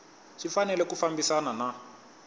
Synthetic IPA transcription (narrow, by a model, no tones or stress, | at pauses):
ʃifanɛlɛkufambisanana